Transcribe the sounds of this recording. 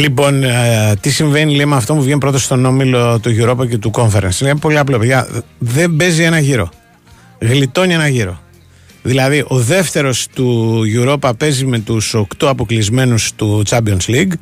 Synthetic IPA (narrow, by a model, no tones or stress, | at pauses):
lipo̞nt̪isiɱve̞nilejmɐft̪o̞puvʝenipɾo̞t̪ost̪o̞no̞milo̞t̪uʝuɾo̞pɐce̞t̪uko̞ɱfe̞ɾɐnsinepo̞liɐplopeʝɐðe̞mbe̞zie̞nɐʝiɾo̞̰ | ɣlit̪o̞nie̞nɐʝiɾo̞̰ | ðilɐðiʔo̞ðe̞ft̪e̞ɾo̞st̪uʝuɾo̞pɐpe̞zime̞t̪uso̞kt̪oɐpo̞klizme̞nust̪ut͡sɐbionsliɡ